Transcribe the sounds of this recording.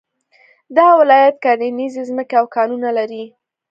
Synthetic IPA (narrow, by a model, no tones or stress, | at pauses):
d̪ɑwɪlɑjat̪̚kɑninizezməkeawkɑnunalaɾi